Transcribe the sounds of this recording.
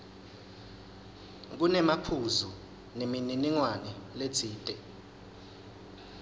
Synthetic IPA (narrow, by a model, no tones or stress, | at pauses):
k̬unɛmapʰuzu | nemininiŋwanɛlet͡sʰiːtʼɛ